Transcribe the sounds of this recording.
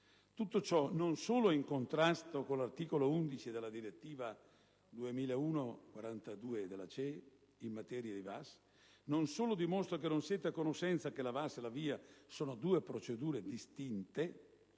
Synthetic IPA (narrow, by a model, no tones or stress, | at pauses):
t̪ut̪ːot͡ʃɔnonsoːloɛiŋkont̪ɾast̪okolart̪iːkolound̪it͡ʃid̪elːad̪iɾet̪ːiːva | d̪uemiːlauːnokwaɾant̪ad̪uːed̪elːat͡ʃɛ | imːat̪ɛːɾjad̪ivas | nonsoːlod̪imost̪ɾak̬enːonsjɛːt̪eakonoʃɛnt̪sakelavaselaviːasoːnod̪uːepɾot͡ʃed̪uːɾed̪ist̪int̪e